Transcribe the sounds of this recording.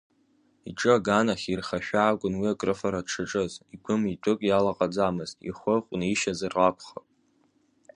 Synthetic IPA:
iʈ͡ʂʼɨaɡanaχʲirχaʃᶣaːkʷʼʊnwiakʼrɨfaɾadʈ͡ʂʰɨʈ͡ʂʼɨziɡʷʊmitʷʼʊkʼjalaqʼad͡zamɨztʼḭχʷəχʷʼniʃazarakʷʰχapʼ

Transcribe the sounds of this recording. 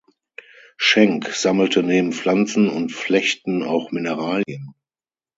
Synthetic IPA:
ʃɛŋkz̥aml̩təneːbm̩flant͡sn̩ʊntflɛçtn̩a̰ʊxmɪnəʁaːljən

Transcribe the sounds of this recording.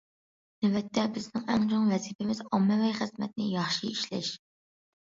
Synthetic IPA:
nɪvɛt̪ʰːɛbɪznɪŋæ̰ŋt͡ʃʰoŋvɛzipʰɪmɪzɑmːɛvɛjχɨzmɛ̰t̪̚nɪjɑχʃiiʃlɛ̰ʃ

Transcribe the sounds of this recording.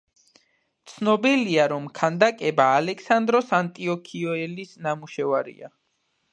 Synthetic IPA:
t̪sʰnɔbiliaɾɔmkʰand̪akʼɛbaːlɛksand̪ɾɔsant̪ʼiɔkʰiɔɛlisnamuʃɛvaɾḭa̰

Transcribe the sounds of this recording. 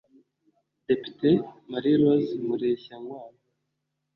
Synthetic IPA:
depi̥temaɾiɾozimuɾeçaŋɡwaːɾo

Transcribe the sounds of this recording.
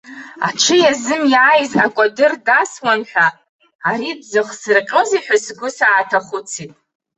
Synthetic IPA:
a̰ʈ͡ʂʰɨjazɨmjaːjzakʷʼadɨrdaswanħᶣʷa | aɾibzɨχsɨrqʲʼəziħʷᶣasɡʷʊsaːtʰaχʷʊt͡sʰitʼ

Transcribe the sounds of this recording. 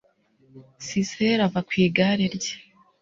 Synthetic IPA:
siseɾavakwiːɡaːɾeɾɟe̥

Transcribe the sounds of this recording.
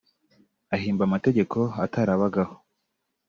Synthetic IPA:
aɦiːmbamate̞ɟe̞kʰo̞atʰaɾaβaɡaho̥

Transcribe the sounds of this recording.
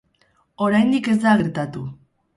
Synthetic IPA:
o̞ɾajnd̪ike̞zd̪aɣeɾt̪at̪u

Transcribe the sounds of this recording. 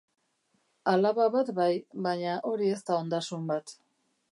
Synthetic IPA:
alaβaβat̪bajβaɲaʔo̞ɾie̞st̪ao̞nd̪asumbat̪

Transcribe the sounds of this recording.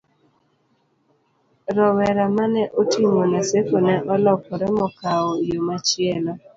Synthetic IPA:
ɾɔwɛɾamanɛʔotimonasekonɛʔɔlɔkɔɾɛmɔkaɔjomat͡ʃɪɛlɔ

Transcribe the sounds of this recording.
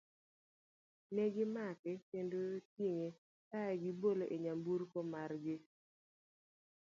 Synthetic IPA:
nɛɡɪmakɪkendotjiŋe | taɛɡɪboloʔeɲambuɾkomarɡɪ

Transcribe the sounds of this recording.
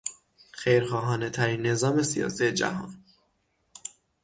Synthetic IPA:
xejɾχɒːɦɒːne̞t̪ʰæɾiːnːe̞zɒːme̞sijɒ̰ːsije̞d͡ʒæ̰hɒ̰ːn

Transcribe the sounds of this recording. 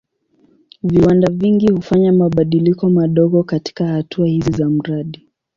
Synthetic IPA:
viwandaviŋɡihufaɲamaɓaɗilikɔmaɗɔɠɔkati̥kahatʰuahizizam̩ɾaɗi

